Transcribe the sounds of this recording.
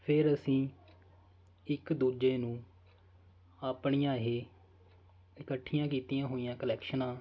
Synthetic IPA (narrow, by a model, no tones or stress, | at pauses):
pʰɪɾəsĩː | ɪkd̪uːd͡ʒeːnũː | aːpɳijãːɦeː | ɪkəʈʰːɪjãːkiːt̪ijãːɦoːijãːkəlɛːkʃənãː